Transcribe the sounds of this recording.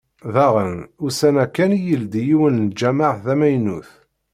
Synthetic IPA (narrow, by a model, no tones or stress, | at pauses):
ðæʁənʊsænækːænijəld̪ijiwənld͡ʒæmaʕðæmæjnuθ